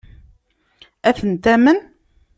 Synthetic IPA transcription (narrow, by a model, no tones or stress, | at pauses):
æθənt̪æmən